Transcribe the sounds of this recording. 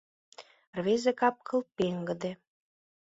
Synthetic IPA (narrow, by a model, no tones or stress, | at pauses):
rβezekɑp̚kɤ̆lpeŋɡə̆d̪e